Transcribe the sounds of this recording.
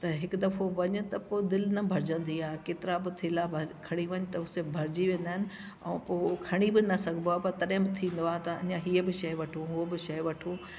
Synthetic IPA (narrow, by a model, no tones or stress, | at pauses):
t̪ɐɦɪkd̪ɐfʰoʋɐɲʊ̆t̪ɐpoːɪd̪ɪlnɐbʱɐɾd͡ʑə̃nd̪iaːkeːt̪ɪɾabɪt̪ʰɪlabʱɐɾkʰɐɽ̃iʋɐɲʊt̪ɐʊsebʱɐɾɪd͡ʑiʋẽːn̆d̪aːɪnɪ̆ | ɛ̃ːpoːkʰɐɽ̃ibɪnɐsɐɡ̃ʱnd̪oaːpɐɾt̪ɐɗɦɪ̃bɪt̪ʰĩːn̆d̪oaːt̪ɐɐ̰ɲãɦiːəbɪʃɐjʋɐʈʰũɦʊobɪʃɐjʋɐʈʰu